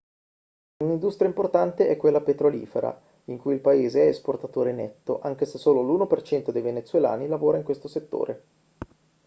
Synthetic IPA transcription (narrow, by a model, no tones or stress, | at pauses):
unind̪ust̪ɾijaimport̪ant̪eʔɛkːwelːapet̪ɾolḭːfeɾa̰ | iŋkujilpaeːzeɛesport̪at̪oːɾenɛ̰t̪ːoʔaŋk̟esesoːloluːnopert͡ʃɛnt̪od̪ejvenet̪sːwela̰ːnilavoːɾaiŋkwest̪oset̪ːo̰ːɾʔe